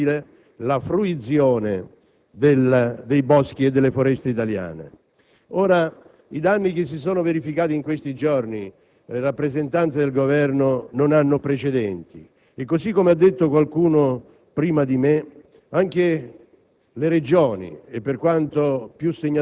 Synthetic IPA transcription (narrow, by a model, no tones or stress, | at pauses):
le | lafɾuit̪sjɔːne | d̪eld̪ejbɔsk̟ied̪ːelːefoɾɛst̪eit̪alja̰ːnḛ | oːɾa | id̪anːik̟ɪs̬ːisoːnoveɾifikaːt̪iŋkwest̪id͡ʒɔrni | lerapːɾezent̪ant̪sed̪elɡovɛrnononanːʊpɾet͡ʃed̪ɛnt̪i | ekːosikːomead̪ːet̪ːokwalkuːno | pɾiːmad̪ime | aŋk̟e | leɾed͡ʒoːnḭepːerkwant̪opjusːeɲːa